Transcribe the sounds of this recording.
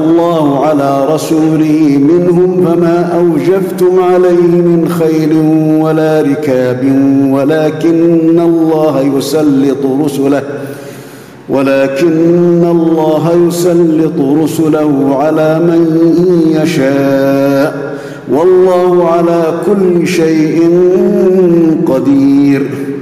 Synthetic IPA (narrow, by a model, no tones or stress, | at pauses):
lˤːɑːhʊʕalaːɾˤɑsuːlɪhmɪnɦʊmfamaːʔawd͡ʒabt̪ʊmʕalajhɪmɪnxajlɪnwalaːɾɪkaːbɪnwalaːkɪnːalˤːɑːɦajʊsɑlːɪt̪ˤʊɾʊsʊlah | wʔalaːkɪnːalˤːɑːɦajʊsɑlːɪt̪ˤʊɾʊsʊlahʊʕalaːmanjaʃaːʔ | wɑlˤːɑːhʊʕalaːkʊlːɪʃajʔɪn | qɑd̪iːɾ